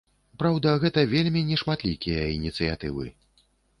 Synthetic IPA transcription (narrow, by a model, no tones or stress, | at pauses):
pɾawd̪ɐɣɛt̪ɐvʲelʲmʲinʲɛʂmat̪lʲikʲijɐinʲit̪sɨja̰t̪ɨvɨ̰